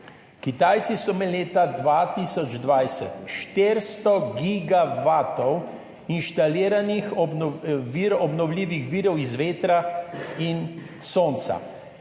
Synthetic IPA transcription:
kit̪aːjt̪sisɔmɛleːt̪ad̪ʋat̪iːsɔd͡ʒd̪ʋajsɛt̪ʃt̪eɾst̪ɔɡiɡaʋaːt̪ɔw | inʃt̪aliːɾanixɔ | iɾɔbnɔwliːʋixʋiːɾɔwizʋeːt̪ɾain | soːnt̪sa̰

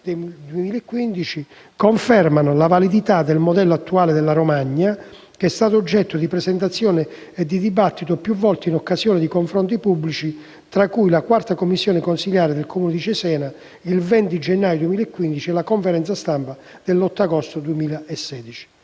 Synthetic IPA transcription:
d̪d̪uemiːlaɛkːwind̪it͡ʃi | koɱfɛrmanʊlavalid̪it̪ad̪elmod̪ɛlːoat̪ːuaːled̪ɛlːaɾomaɲːa | keɛst̪aːt̪̬ʊːd͡ʒːɛt̪ːod̪ipɾɛsɛnt̪̬at̪sːjɔːne | ɛd̪ːid̪ibat̪ːit̪opjuvːɔlt̪einɔkːasjɔːnɪd̪ikoɱfɾɔnt̪̬ipubːlit͡ʃi | t̪ɾakːujlakwart̪akomːisːjɔːnɪkonsiʎjaːɾed̪elkʰomuːnɪd̪it͡ʃɛsɛːna | ilvɛnt̪id͡ʒɛnːaːjod̪uwemiːlaɛkːwind̪it͡ʃiɛlakoɱfɛɾɛnt̪sast̪ampa | d̪̥elːɔt̪ːaɡɔst̪od̪uemiːlaesːɛːd̪it͡ʃi̥

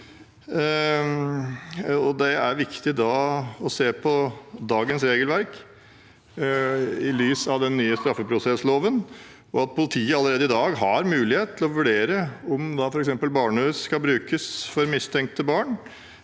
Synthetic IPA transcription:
ɔd̪ɛæɾʋɪkt̪ɪd̪ɑɔseːpʰɔd̪ɑːɡənsɾeːɡəlʋæɾk | ɪlyːsɑʋd̪ɛnːyːəst̪ɾɑfːəpʰɾʊsɛsloːʋən | ɔɑt̪̚pʰʊlɪt̪ʰiːəɑlːəɾeːd̪əɪd̪ɑːɡɦɑɾmʉːlɪheːt̪̚t̪ʰɪlɔʋʉɖeːɾəɔmd̪ɑfɔɾɛksɛmpəlbɑːɳəʉːsskɑlbɾʉːkəsfɔɾmɪst̪ʰɛŋk̚t̪əbɑːɳ

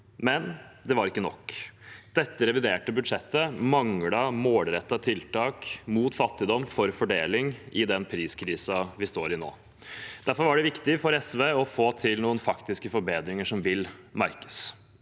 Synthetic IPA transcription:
mɛnd̪ɛʋɑɾɪkːənɔkːd̪̥ɛt̪ːəɾɛʋɪd̪eːʈəbʉd̪ʂɛt̪ːəmɑŋɽɑmoːlɾɛt̪ːɑt̪ʰɪlt̪ɑːkmuːt̪fɑt̪ːɪd̪ɔmːfɔɾfɔɖeːlɪŋʔɪd̪ɛnpʰɾiːskʰɾiːsɑʋɪst̪oːɾɪno̰ː | d̪̥æɾfɔɾʋɑɖɛʋɪkt̪ɪfɔɾɛsʋeːɔfoːt̪ʰɪlnuːənfɑkt̪ɪskəfɔɾbeːd̪ɾɪŋəʂɔmʋɪlmæɾkə̥s

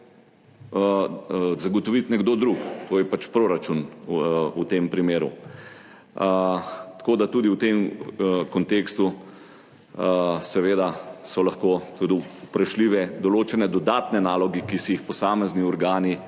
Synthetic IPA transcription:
zaɡɔt̪ɔʋit̪nɛɡd̪oːd̪ɾukt̪oːjɛpat͡ʃpɾoːɾat͡ʃun | ut̪empɾimeːɾṵ | t̪ɐ̥koːd̪at̪uːd̪iwt̪emkɔnt̪eːkst̪u | sɛʋeːd̪asɔlaxkot̪ud̪iupɾɐʃliːʋɛd̪ɔloːt͡ʃɛnɛd̪ɔd̪aːt̪nɛnaːlɔɡikisiixpɔsaːmɛzniɔɾɡaːni

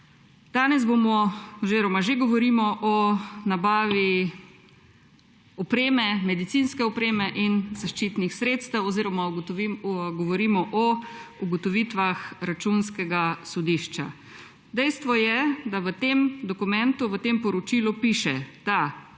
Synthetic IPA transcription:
d̪̥aːnɛzbomɔɔziɾɔmaʒeɡɔʋɔɾimɔʔɔnabaːʋi | ɔpɾeːmɛmɛd̪it̪sinskɛɔpɾeːmɛʔinzaʃt͡ʃiːt̪nixsɾeːt̪st̪ɛwɔziɾɔma | ɡɔʋɔɾiːmɔʔɔuɡɔt̪ɔʋiːt̪ʋaxɾat͡ʃunskɛɡasɔd̪iʃt͡ʃa̰ | d̪ɛjst̪ʋɔjɛd̪aʋət̪emd̪ɔkumɛnt̪uʋət̪eːmpɔɾɔt͡ʃiːlupiʃɛd̪̥a

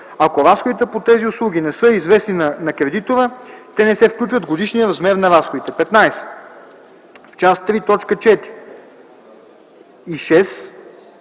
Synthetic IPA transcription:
akoɾasxod̪it̪ɛpot̪ɛziʊslˠuɡ̟ʲinɛsɤizvɛsninɐnɐkɾɛd̪it̪ovət̪ɛnɛsɛfklʲut͡ʃvəd̪ɡod̪iʃnijəɾɐzmɛɾnɐɾasxod̪it̪ɛpɛt̪najsɛ̥ | ft͡ʃast̪ɾit̪ɔt͡ʃkət͡ʃɛt̪ɾi | iʃɛs

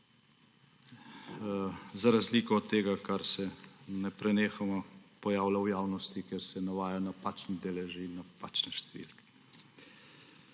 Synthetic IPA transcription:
zaɾazliːkɔɔt̪ːeːɡakaɾsɛnɛpɾɛneːxamapɔjaːwlawjaːwnɔst̪ikeɾsɛnaʋaːjanapaːt͡ʃnid̪elɛʒiinːapaːt͡ʃnɛʃt̪ɛʋḭːlkɛ̥

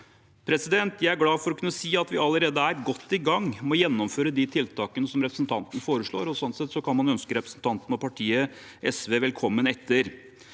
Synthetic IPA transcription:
pʰɾɛsɪd̪ɛnt̪jæɪæɾɡlɑːfɔɾɔkʰʉnːəsiːɑt̪ʋɪɑlːəɾeːd̪əæɾɡɔt̪ːɪɡɑŋːmɔjɛnːɔmføːɾəd̪ɪt̪ʰɪlt̪ʰɑːkənəsɔmɾɛpɾəsn̩t̪ʰɑnt̪nəfoːɾəʂɭo̰ːɾɔsɔnsɛt̪sɔkʰɑnmɑnœnskəɾɛpɾəsn̩t̪ʰɑnt̪ən̩ɔpʰɑʈʰiːə | ʔɛsʋeːʋɛlkʰɔmːənɛt̪ʰːəɾ

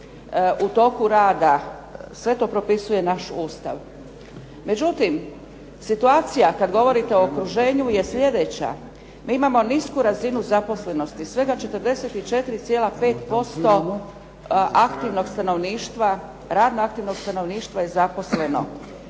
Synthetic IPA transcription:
ut̪o̞ːkuɾaːd̪a | sʋe̞t̪o̞ːpɾo̞pisuje̞naʃuːst̪a̰ʋ | me̞d͡ʑut̪im | sit̪uaːt̪sijakad̪ɡo̞ʋo̞ɾit̪e̞o̞okɾuʒe̞ːɲuje̞sʎʲe̞d̪e̞t͡ɕa̰ | miːimamo̞niskuɾazinuzapo̞sle̞no̞st̪isʋe̞ɡat͡ʃe̞t̪əɾd̪e̞se̞t̪it͡ʃe̞t̪iɾit̪sije̞lape̞ːt̪po̞st̪o̞ | ʔakt̪iʋno̞ɡst̪ano̞ʋniːʃt̪ʋa | ɾaːd̪noakt̪iʋno̞ɡst̪ano̞ʋniːʃt̪ʋajezapo̞sle̞no̞̰

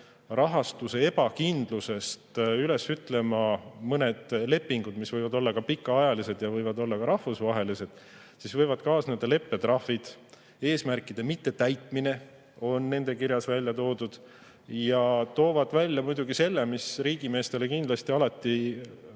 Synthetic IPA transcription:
rʔɑɦɑst̪use̞e̞bɑkind̪̥luse̞st̪yle̞syt̪ːˑle̞mɑmɤne̞d̪̥le̞pːiŋɡ̥ud̪misvɤjvɑd̪o̞lːɑkɑpikːɑɑjɑlise̞d̪̥jɑvɤjvɑd̪o̞lːɑkɑɾɑhfusvɑɦe̞lise̞d̪̥ | sisvɤ̞jvɑd̪̥kɑːsnend̪ɑle̞pːe̞t̪rɑhvid̪̥ | e̞ːsmærkːˑid̪̥e̞mit̪ːe̞t̪æjt̪ˑmine̞ | o̞nːe̞nd̪̥e̞kiɾjɑsvælʲjɑt̪o̞ːd̪ud̪̥ | jɑt̪o̞ːvɑd̪vælʲːjɑmujd̪̥uɡ̥ise̞lːemisriːɡ̥ime̞ːst̪e̞le̞kind̪lɑst̪iɑlɑt̪ˑːi

